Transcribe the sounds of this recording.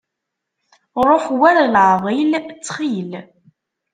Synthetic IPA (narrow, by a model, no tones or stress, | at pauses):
ɾˤoħwæɾalʕðˤilt͡sːχil